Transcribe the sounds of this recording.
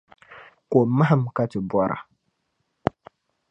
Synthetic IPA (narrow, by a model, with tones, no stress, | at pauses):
ko˨ma˦ɦɨ˦m˨ka˦tɪ˨bʷɔ˦ɾʔa̰˨